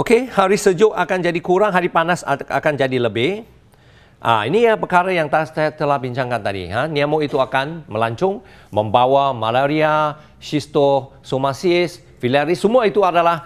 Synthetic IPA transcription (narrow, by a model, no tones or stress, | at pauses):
ʔokehaɾisəd͡ʒʊʔakand͡ʒadikuɾaŋɦaɾipanasa̰kand͡ʒadiləbɪh | ʔa̰inijapərkaɾajaŋt̪att̪əlahbiɲt͡ʃaŋkant̪adḭɦaniamoit̪uakanməlaɲt͡ʃʊŋ | məmbawamalaɾia | ʃist̪o | somasiɪs | filaɾisəmuait̪uadalah